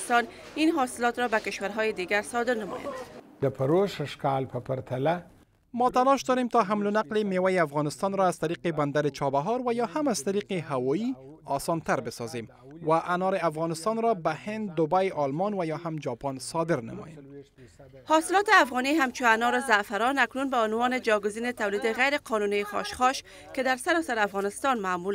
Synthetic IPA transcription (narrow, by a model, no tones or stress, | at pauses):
st̪ɔn | inɦɒsɪlɔt̪ɾɔbakɪʃwaɾɦɔjed̪iɡaɾsɒd̪ɪɾnəmɔ̰ja̰nd̪d̪əpʰəɾoʃəʃkɑlpʰəpəɾt̪ʰala | mɔt̪alɔʃd̪ɔɾemt̪ɒɦamlʊnaqlemewajeafɣɑnɪst̪ɑnɾɔaz̥t̪aɾiqeband̪aɾɪt͡ʃɒbaɦɔɾwajɒhamaz̥t̪aɾiqehawɔji | ɒsɑnt̪aɾbɪsɒzem | waʔanɔɾɪafɣɑnɪst̪ɑnɾɔbahɪnd̪ːʊbajɒlmɔnwajɒhamd͡ʒɒpɔnsɔd̪ɪɾna̰mɔ̰jem | hɔsɪlɔt̪ɪafɣɔniɦamt͡ʃʊanɔɾɪzafaɾɔnaknunbaʊnwɔnɪd͡ʒɒɡʊzinɪt̪awlid̪ɪɣajɾɪqɔnunixɔ̰ʃχɔʃ | kɪd̪aɾsaɾɔsaɾafɣɔnɪst̪ɑnmaːmul